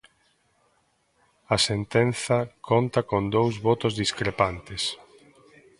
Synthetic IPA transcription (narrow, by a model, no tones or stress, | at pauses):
ɐsent̪en̟θɐkʰont̪ɐkond̪owzβɔt̪ʊzðiskɾepant̪ɪs